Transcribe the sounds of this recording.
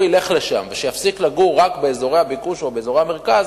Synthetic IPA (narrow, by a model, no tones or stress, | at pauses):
ile̞χleʃa̰mveʃejafsiklaɡuːakbe̞ːzo̞ʁe̞jhabikuʃobe̞ːzo̞ʁehame̞ʁkaz